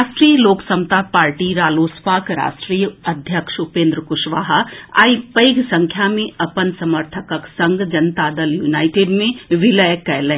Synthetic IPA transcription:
ʃʈɾiːjəloːksɐmt̪apaːɾʈiɾaːloːspaːkɾa̰ːʃʈɾijəɐd̪ʱjəkʃʊpẽːnd̪ɾəkʊʃʋaːɦaa̰ːipɐɪɡsɐ̃ŋkʰjamẽɐpənsɐməɾt̪ʰəkəksɐ̃ŋɡd͡ʒɐnt̪aːd̪əljuːnaːɪʈeːɖmẽʋɪləjkɛːlẽː

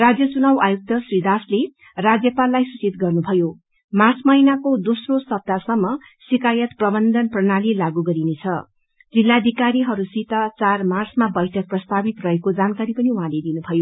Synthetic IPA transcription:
rad͡zjʌt͡sunawʔajuk̚t̪ʌsrid̪asle | rad͡zjʌpalːajsut͡sit̪̚ɡʌrnubʱʌjo | mart͡smʌinakod̪osrosʌb̚d̪asʌmːʌ | sikajʌt̪prʌbʌnd̪ʱʌnprʌnalilaɡuɡʌɾinet͡sʰʌ | d͡zilːad̪ʱikaɾiɦʌɾusit̪at͡sarmarsmabʌjʈʰʌk̚prʌst̪abit̪rʌɦekod͡zankaɾipʌniuɦãled̪inubʱʌjo

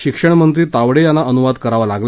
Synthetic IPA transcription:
ɕikʂəɳ̃mənt̪ɾiːt̪aʋɽejanːaʔənuʋad̪kəɾaʋalaɡl

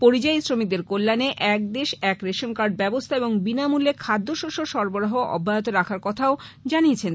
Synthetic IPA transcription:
poɾid͡ʑajsɾomik̚d̪eɾkolːaneʔɛk̚d̪eʃɛkɾeʃonkaɾɖ̚bɛbost̪ʰaeboŋbinamulekʰad̪ʱːoʃoʃoʃɔɾboɾaɦoʔɔ̰bʱːajot̪oɾakʰaɾkɔt̪ʰaod͡ʑaniet͡ɕʰen

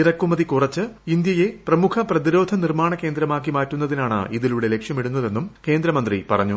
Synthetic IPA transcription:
irɐkːumɐðikurɐt͡ɕːɨind̪jɐje̞prɐmukʰɐprɐðiɾo̞ːd̪ʱɐnirmaːɳɐke̞ːnd̪ɾɐmaːk̬ːimaːtːunːɐðinaːɳɨ̰ʔiðiluɽe̞le̞kʂjɐmiɽunːɐðe̞nːumke̞ːnd̪ɾɐmɐnd̪ripɐrɐɲːu

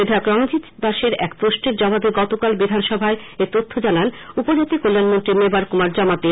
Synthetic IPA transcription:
ed̪ʱakɾɔŋod͡ʑit̪b̪aʃeɾɛkpɾoʃʈeɾd͡ʑɔbabeɡɔt̪okalbid̪ʱanʃɔbʱaeet̪ot̪ʰːod͡ʑananupod͡ʑat̪ikolːanmont̪ɾimebaɾkumaɾd͡ʑɔmat̪e

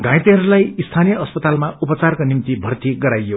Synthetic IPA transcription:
ɡãjt̪eɦʌɾulajist̪ʰanijʌʌspʌt̪almaupʌt͡sarkonimt̪ibʱʌrt̪iɡʌɾajo

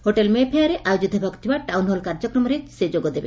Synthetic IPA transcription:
hoʈelmepʰejaɾeʔajod͡ʒit̪ɔbʱɔɡt̪ʰibaʈawnɦolkaɾd͡ʒɔkɾɔmɔɾesed͡ʒoɡod̪ebe

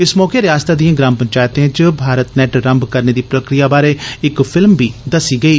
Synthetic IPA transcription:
ɪsmɔːkeːɾɪjaːst̪aːd̪ijãːɡɾaːmpəɲt͡ʃaːjət̪ẽːt͡ʃəbʱaːɾət̪nɛʈɾəmbkəɾneːd̪iːpɾəkɾijaːbaːɾeːɪkpʰɪlmbiːd̪əsiːɡəiː

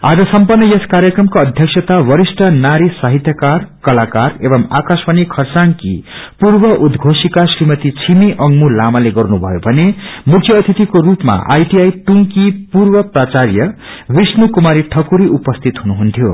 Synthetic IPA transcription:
a̰d͡zʌsʌmpʌrnːʌjʌskaɾjʌkrʌmkoʌd̪ʱjʌksʰʌt̪awʌɾisʈʰʌnaɾisaɦit̪jʌkarkʌlakarebʌmakaspʌnikʰʌrsaŋkḭpurbʌʔud̪ɡʱosikasrimʌt̪it͡sʰimiʔʌŋmulamaleɡʌrnubʱʌ̰jobʱʌnemukʰjʌt̪ʰit̪ikorupma̰ʔa̰jʈiajʈuŋkipurbʌprat͡sarjʌ | wisnukumaɾiʈʰʌkuɾiʔupʌst̪ʰit̪ɦunuɦunt̪ʰjo

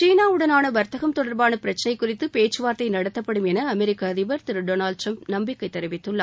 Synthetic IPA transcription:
t͡ʃiːnaːɯɽɐnaːnɐʋɐɾt̪ɐɣɐmt̪ɔɽɐɾbaːnɐpɪɾɐt͡ʃːɐnɐɪkːʊrɪt̪ːɯpeːt͡ʃːɯʋaːɾt̪ɐɪnɐɽɐt̪ːɐpːɐɽɯmɛnɐɐmɛɾɪkːaðɪʋɐɾt̪ɪɾɯɖoːnaːlɖ̚ʈrɐmpnɐmbɪkːɐɪt̪ːɛɾɪʋɪt̪ːɯɭːa̰ː

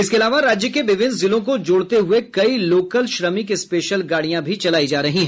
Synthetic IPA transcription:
ɪskeɐlaːʋaɾaːd͡ʒjəkeʋɪʋɪnzɪlõk̬od͡ʒoːɽt̪eɦʊekɐiloːkəlʃɾəmikispeːʃəlɡaːɽijãbʱit͡ʃɐlaːid͡ʒaːɾɐɦĩɦɛ

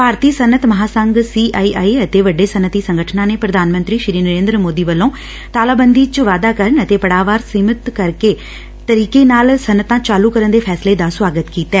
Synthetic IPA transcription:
paːɾt̪iːsənət̪məɦaːsəŋɡsiːʔaːiːʔaːiət̪eːʋəɖːeːsənət̪iːsəŋɡəʈʰnãːneːpɾəd̪ʱaːnmə̃nt̪ɾiːʃɾiːnəɾẽːnd̪ɾəmoːd̪iːʋəlːõː | t̪aːlaːbənd̪iːt͡ʃəʋaːd̪aːkəɾəɳət̪eːpəɽaːʋaːɾsiːmət̪kəɾkeː | t̪əɾiːkeːnaːlsənːət̪ãːt͡ʃaːluːkəɾənd̪eːpʰɛːsleːd̪aːsʋaːɡət̪kiːt̪ɛː

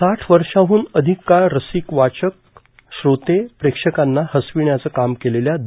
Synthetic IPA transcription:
aʈʰʋəɾʂaɦuːnəd̪ʱikːaɭɾəsikʋat͡ɕək̚ | ɕɾot̪epɾekʂəkanːahəsʋiɳjat͡səːkamkeleljad̪

